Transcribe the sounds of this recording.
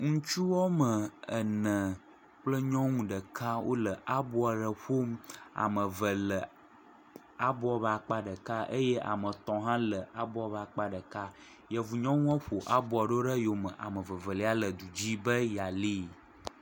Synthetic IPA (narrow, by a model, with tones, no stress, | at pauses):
ŋũ˦t͡ʃu˦wɔ˦mə̃˨ə˨nə̃˨ | k͡plə˦ɲɔ̃˦ŋũ˦ɖə˨kʰa˦wʔo̰˦lə˨ʔa˦bo˦a˨ɖə˨ɸo˦ma̰˨mə̃˨və˨lə˨ | a˦bɔ˦a˨ba˨k͡pa˦ɖə˨ka˦ʔə˦jɛ˦ʔa̰˨mə̃˨t̪ɔ̃˨ɦã˦lə˨a˦bɔ˦a˨ba˨k͡pa˦ɖə˨ka˦ | jɛ˨vu˨ɲɔ̃˦ŋũ˦a˦ɸo˨ʔa˦bɔ˨˦a˨ɖə˦o˦ɖə˦jo˨mə̃˨ʔa̰˨mə̃˨və˨və˨le˨˦a˦lə˨d̪u˨d͡ʑi˦bə˦ja˨li˦